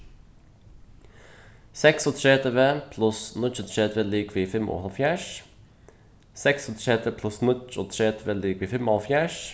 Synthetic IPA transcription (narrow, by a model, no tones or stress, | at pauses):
sɛksot̪ʰɾeːt̪ʰeʋeːpʰlʊsnʊt͡ʃot̪ʰɾeːt̪ʰʋeːliːkʋiːfɛmʔo̰ːhɑlfjæːʃ | sɛksot̪ʰɾeːt̪ʰeːpʰlʉsnʊt͡ʃot̪ʰɾeːt̪ʰʋeːliːkʋiːfɛmhɑlfjæːʃ